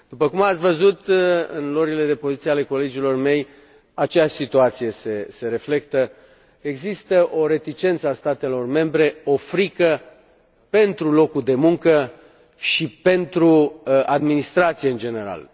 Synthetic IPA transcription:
d̪̥upəkumat̪sʲvəzut̪ɨ̰nlo̞ɾile̞d̪e̞po̞zit̪sieale̞ko̞le̞d͡ʒilo̞rme̞j | at͡ʃeaʃʲsit̪uat̪sije̞se̞se̞ɾe̞fle̞kt̪ə | e̞ɡzist̪əʔo̞ɾe̞t̪it͡ʃe̞nt̪səast̪at̪e̞lo̞rme̞mbɾe̞o̞fɾikə | pe̞nt̪ɾulo̞kuld̪e̞muŋkə | ʃipe̞nt̪ɾuad̪minist̪ɾat̪sije̞ɨnd͡ʒe̞ne̞ɾa̰l

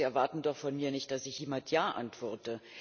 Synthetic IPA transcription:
iɛɐvaɐtn̩dɔχfɔnmiːɐnɪçt̚d̥asɪçjeːmantʰjaːʔa̰ntv̥ɔɐtə

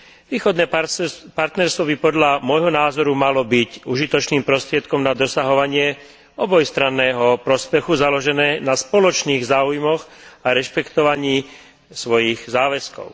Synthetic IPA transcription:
ʋiːxɔd̪nɛːpaɾt̪nɛɾst̪ʋɔbipɔd̪ʎamɔjɦɔnaːzɔɾumalɔbicuʒit̪ɔt͡ʃniːmpɾɔst̪ɾɪɛt̪̚kɔmnad̪ɔsaɦɔʋaɲɪɛ | ɔbɔjst̪ɾanːɛːɦɔpɾɔspɛxuzalɔʒɛnɛːnaspɔlɔt͡ʃniːɣzaːujmɔɣaɾɛʃpɛkt̪ɔʋaɲiː | sʋɔjiɣzaːʋɛskɔ̰ʊ

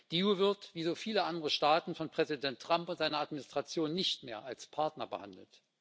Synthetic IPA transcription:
d̥iːuvɪɐtv̥iːzoːfiːləʔandəʁəʃtaːtn̩fɔnpʁ̥ɛzidɛntːʁ̥ampʊntz̥aɪnɐatminɪstʁ̥at͡sjoːnːɪçtmeːɐalspʰaɐtnɐbə̰ha̰ndl̩t

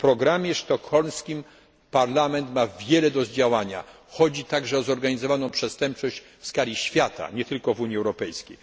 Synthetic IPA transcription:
pɾɔɡɾamʲjɛʂt̪ɔxɔlmskʲim | paɾlamɛnt̪mavʲjɛlɛd̪ɔzd͡ʑawaɲa̰ | xɔd͡ʑit̪aɡʐɛɔzɔɾɡaɲizɔvanɔ̃w̃pʂɛst̪ɛmp̚t͡ʂɔɕt͡ɕ | fskalʲiɕfʲjat̪a̰ɲɛt̪ɘlkɔvuɲjiɛwɾɔpɛjskʲej

